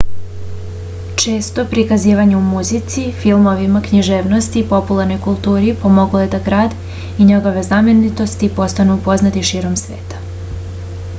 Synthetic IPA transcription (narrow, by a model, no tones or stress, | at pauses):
t͡ʃe̞ːst̪o̞pɾikaziːʋaɲumuzit̪sifilˠmo̞ʋimakɲiʒe̞ːʋno̞st̪iːpo̞pulˠaɾno̞jkulˠt̪uːɾipo̞mo̞ɡlojed̪aɡɾaːd̪ | iɲeɡo̞ʋe̞zamje̞nit̪o̞st̪ipo̞st̪anupo̞znat̪iʃiːɾo̞msʋe̞̰ːt̪ḁ